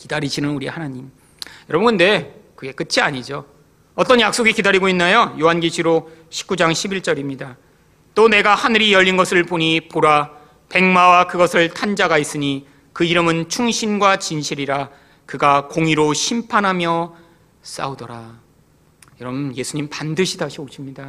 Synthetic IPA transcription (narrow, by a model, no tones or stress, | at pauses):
kidaɾiɕʰinɯnuɾihanaɲim | jʌɾʌbɯnɡɯnːe̞kɯɡe̞k͈ɯt͡ɕʰiaɲid͡ʑo | ʌt͈ʌnjak̚s͈oɡikidaɾiɡoinːajojoɦanɡiɕʰiɾoɕʰi̥p̚k͈ud͡ʑaŋɕʰibiɭt͡ɕ͈ʌɾimɲida | t͈one̞ɡahanɯɾijʌʎːinɡʌsʰɯɭpoɲipoɾa | pe̞ŋmawakɯɡʌsʰɯɭtʰand͡ʑaɡais͈ɯɲi | kɯiɾɯmɯnt͡ɕʰuŋɕʰinɡwat͡ɕinɕʰiɾiɾa | kɯɡakoŋiɾoɕʰimpʰanɦamjʌ | s͈a̰odʌɾa | jʌɾʌbunje̞sʰuɲimpandɯɕʰidaɕʰioɕʰimɲida